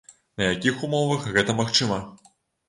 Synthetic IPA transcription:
nɐjakʲixumɔvɐxɣɛt̪ɐmaxt͡ʂɨmɐ

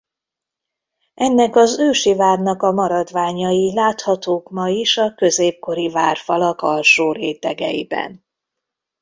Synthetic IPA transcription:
ɛnːɛkɒzøːʃivaːrnɒkɒmɒɾɒd̪ʋaːɲɒjilaːt̪hɒt̪oːkmɒjiʃɒkøzeːp̚ko̞ɾivaːrfɒlɒkɒlʃoːɾeːt̪ɛɡɛjḭbɛ̰n

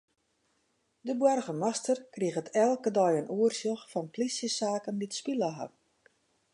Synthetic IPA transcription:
dəbwɛrɣəmastərkriəɣətʰɛlˠkədɔjənuərsjoxfɔnpʰlisjəsaːkənditspiləɦa̰

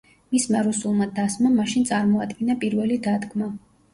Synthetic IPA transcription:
mismaɾusulˠmad̪asmamaʃint̪sʼaɾmɔad̪ɡɛnapʼiɾvɛlid̪ad̪ɡma

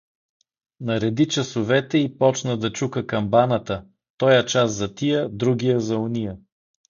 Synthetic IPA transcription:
nɐɾɛd̪it͡ʃɐsʊvɛt̪ɛipɔt͡ʃnəd̪ɐt͡ʃukəkɐmbanət̪ə | t̪ɔjɛt͡ʃast̪zɐt̪ijəd̪ɾuɡijəzɐunijə

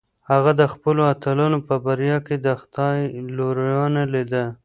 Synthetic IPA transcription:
haɣad̪əxpəloat̪alunopəbaɾjɑked̪əxt̪ɑjloɾjɑnalid̪ə

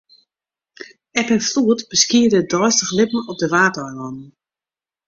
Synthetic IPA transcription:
ɛpɛnfluətb̥əskiədədɔjstəxlɪpməɔp̚dəʋaːtɔjlɔnn̩

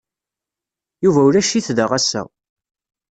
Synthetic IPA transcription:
juvæuɾæʃiθðəʁæsæ̰

